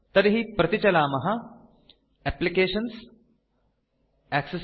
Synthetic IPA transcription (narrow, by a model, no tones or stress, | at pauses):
t̪ɐɾɦipɾɐt̪it͡ɕɐlaːmɐɦɐ | æplikeːʃəns | ækses